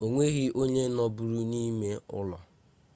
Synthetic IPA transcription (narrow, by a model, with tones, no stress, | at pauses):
o˨ŋʷe˦ɣi˦ʔo˦ɲe˦nɔ˦bu˦ɾu˦ni˦me˦ʊ̰˦lɔ˨